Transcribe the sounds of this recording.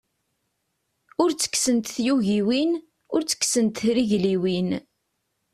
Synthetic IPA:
ʊɾt͡sːə̥kːsənt̪θjuʝiwin | ʊɾt͡sːə̥kːsənt̪ɾiʝliwin

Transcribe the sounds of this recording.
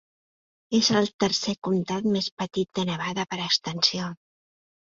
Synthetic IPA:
ezəlˠt̪əɾsekumt̪at̪mespət̪it̪̚d̪ənəβaðəpəɾəkst̪ənsio

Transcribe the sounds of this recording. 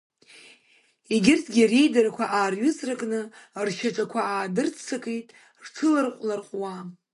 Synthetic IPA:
iɡʲɪrtʰɡʲirejdaɾakʷʰaʔaːrɥʏt͡sʼrakʼnɨrʃaʈ͡ʂʼakʷʰaaːdɨrt͡sʰt͡sʰakʰʼejtʼ | rʈ͡ʂʰɨlarqʷʼlarqʼwa

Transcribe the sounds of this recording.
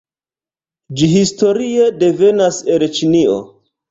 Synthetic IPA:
d͡ʒiɦisto̞ɾiedeve̞naselt͡ʃinio̰

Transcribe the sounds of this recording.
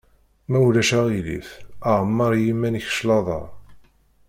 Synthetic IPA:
mæulæʃæʁilḭθəʕəmːɑɾˤjimːæniç̥ʃlɑðˤɑ̰ɾˤ

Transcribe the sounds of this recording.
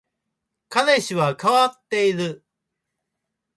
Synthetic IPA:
kad̪e̞ɕiβakaβat̪ːe̞iɾɯ

